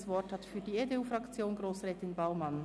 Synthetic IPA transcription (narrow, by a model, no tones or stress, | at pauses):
svɔthɑtfyːɐdiːedeuːfʁɑkt͡sjoːnɡʁoːsʁɛːtɪnbaʊmɑn